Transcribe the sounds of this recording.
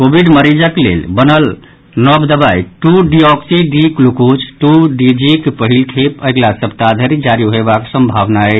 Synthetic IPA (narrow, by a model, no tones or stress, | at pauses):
kobʱiɖməɾid͡ʒəklḛlbənəl | nɔbd̪əbajʈuɖiɔksiɖiklukut͡ʃʰʈuɖid͡ʒikpəɦilʈʰepəɡlasəb̚t̪ad̪ʱəɾid͡ʒaɾiɦebaksəmbʱabnaɛ